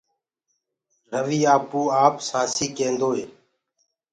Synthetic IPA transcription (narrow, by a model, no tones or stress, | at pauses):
ɾəʋiːaːpuːaːpsaːsiːkẽːnd̪oːɦeː